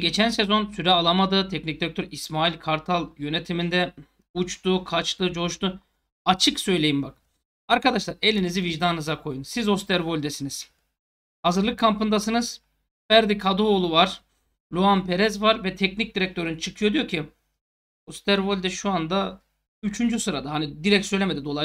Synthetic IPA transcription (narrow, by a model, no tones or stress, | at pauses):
ɟe̞t͡ʃʰænsezo̞nsyɾɛalˠamad̪ɯt̪ʰɛcnic̚d̪iɾɛc̚t̪ʰøɾismaːilʲkʰaɾt̪ʰalˠjø̞net̪ʰimind̪ɛ | ut͡ʃt̪ukʰat͡ʃt̪ɯd͡ʒo̞ʃt̪u | at͡ʃʰɯksø̞jlʲe̞jimbak | aɾkad̪aʃlˠaɾe̞lʲiniziviʒd̪annɯzakʰo̞junsizo̞st̪ʰɛɾvo̞lʲd̪ɛsiniz̥ | hazɯɾlˠɯkʰːampɯnd̪asɯnɯz̥ | bæɾd̪ikʰad̪uolˠuvaɾ̥ | lʲuɦanpʰe̞ɾɛzvaɾvɛt̪ʰɛcnic̚d̪iɾɛc̚t̪ʰø̞ɾynt͡ʃʰɯkʰɯjod̪ijo̞ɾcʰi | ost̪ʰæɾvo̞lʲd̪ɛʃuand̪a | yt͡ʃʰynd͡ʒysɯɾad̪aɦanid̪iɾɛc̚t̪søjlʲemed̪id̪o̞lˠa